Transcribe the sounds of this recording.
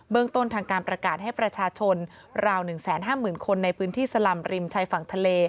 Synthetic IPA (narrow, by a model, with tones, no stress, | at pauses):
bɯ˥əŋt̪o˥˩nt̪ʰaː˧ŋkaː˧npɾa˧kaː˨˩t̪̚ɦa˥˩jpɾa˧t͡ɕʰaː˧t͡ɕʰo˧n | ɾaː˧wnɯ˨˩ŋsɛː˩˦nɦaː˥˩mɯː˨˩nkʰo˧nːa˧jpʰɯː˦˥nt̪ʰiː˥˩sa˧la˨˩mɾi˧mt͡ɕʰaː˧jfa˨˩ŋt̪ʰa˧leː˧